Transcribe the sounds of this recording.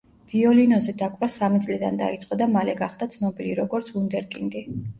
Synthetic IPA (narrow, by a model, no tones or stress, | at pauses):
v̥iɔlinɔzɛd̪akʼvɾasamit̪sʼlid̪and̪a̰it̪sʼqʼɔd̪amalɛɡaχd̪at̪sʰnɔbiliɾɔɡɔɾt̪sʰund̪ɛɾkʼind̪i